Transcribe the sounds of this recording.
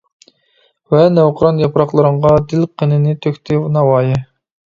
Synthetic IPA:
vɛnæwqʰʊɾɑnjɑpɾɑqlˠɨɾəɴʁɑd̪ɪlqʰənɪnɪt̪ʰøkʲt̪ʰɪwnɑwɑːjɪ

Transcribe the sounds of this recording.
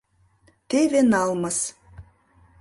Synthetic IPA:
t̪evenɑlmɤ̆s

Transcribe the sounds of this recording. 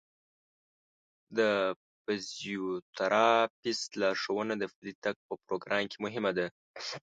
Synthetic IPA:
d̪ə | fɪzjut̪aɾɑpist̪lɑɾʂawənad̪əfɪlit̪ak̚pəpɾoɡɾɑmkʰemʊɦɪmad̪a

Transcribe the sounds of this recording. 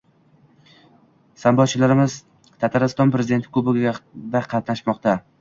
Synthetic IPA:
sambɒt͡ʃʰɪlaɾɪmɪz | t̪ʰat̪ʰaɾɪst̪ɒnpɾe̞zɪd̪et̪ʰɪ̥kʰɵbɪad̪aqʰɑt̪naʃmɒqt̪a

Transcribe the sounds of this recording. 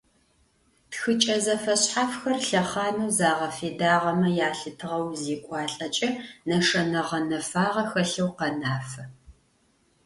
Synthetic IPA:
txɨt͡ʃʼɐzɐfɐɕħafxɐrɬɐχɑːnɐwzaːʁɐfeːdaːʁɐmɐjaːɬɨtʰɨʁɐwzeːkʷʼɑːɬʼɐt͡ʃʼɐnɐʂɐnɐʁɐnɐfaːʁɐxɐɬɐwqɐnaːfɐ

